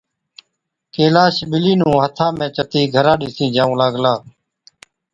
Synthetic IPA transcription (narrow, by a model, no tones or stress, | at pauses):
keːlaːʃɓɪliːnũːɦət̪ʰãːmẽːt͡ʃət̪iːɡʱəɾãːɗɪsĩːd͡ʒaːũːlaːɡlaː